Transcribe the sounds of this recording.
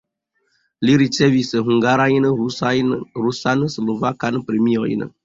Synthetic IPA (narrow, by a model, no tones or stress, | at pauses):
liɾisɛvisɨɦũŋɡaɾajinɨɾusanɨslovakanɨpɾimiɔjḭnə̰